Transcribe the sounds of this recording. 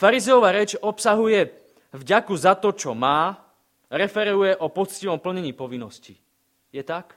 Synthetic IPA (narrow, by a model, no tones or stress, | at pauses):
faɾizɛjɔʋaːɾɛt͡ʃɔpsaɦujɛ | vɟakuzat̪ɔt͡ʃɔmaː | ɾɛfɛɾujɛʔɔpɔt͡sciʋɔmpl̩ɲɛɲiːpɔʋinːɔsci | jɛt̪ak